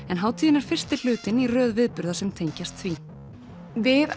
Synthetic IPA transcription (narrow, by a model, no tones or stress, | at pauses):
ɛnɦawt̪ʰiːðɪnaɾ̥fɪr̥st̪ɪl̥ʏːt̪ɪnirœːðvɪðpʏɾðasɛmt̪ʰejɲcast̪θvi | vɪð